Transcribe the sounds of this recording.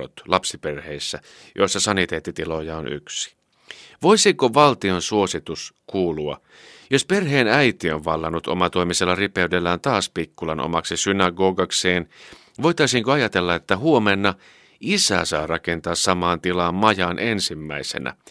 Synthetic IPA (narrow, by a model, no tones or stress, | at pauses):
o̰t̪lɑpsiperheisːæ | jo̞̰isːɑsɑnit̪eːt̪ːit̪ilo̞jɑony̰ksi̥ | ʋo̞isiŋkoʋɑlt̪io̞nsuo̞sit̪uskuːluɑ̰ | josperɦeːnæjt̪ioʋʋɑlːɑnːut̪o̰mɑt̪oimiselːɑripeydelːæːnt̪ɑːspikːulɑnʔo̰mɑksisynɑɡo̞ːɡɑkseːn | ʋo̞it̪ɑisiːŋkoɑjɑt̪elːɑet̪ːæhuomenːɑ | ʔisæ̰sɑːrɑkent̪ɑːssɑmɑːnt̪ilɑːmmɑjɑnʔensimːæisḛnæ̰